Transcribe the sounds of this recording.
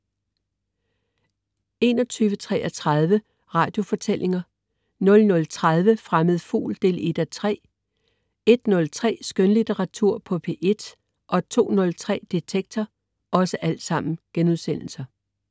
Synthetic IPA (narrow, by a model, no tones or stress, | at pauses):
e̝nɒ̽t͡sʰyːʋət͡sʰʁɛ̰ːʔɐt͡sʰʁað̞ˠʋə | ʁɑ̈ːd̥jo̝fɒ̽t͡sʰelʔe̝ŋɐ | nɔ̽lnɔ̽lt͡sʰʁað̞ˠʋəfʁaməð̞̩ˠfṵːld̥e̝̰ːle̝d̥æt͡sʰʁɛ̰ː | e̝d̥nɔ̽lt͡sʰʁɛ̰ːsɡ̥ønlit͡sʰeʁɑ̈t͡sʰuɐ̰pʰɒ̽pʰe̝ʔe̝d̥ | ʔɒ̽t͡sʰo̝̰ːnɔ̽lt͡sʰʁɛ̰ːd̥it͡sʰeɡ̥̚t͡sʰɐ | ʔɒ̽səʔæl̰d̥sɑ̈m̰n̩ɡ̥enuð̞ˠsen̰l̩sɐ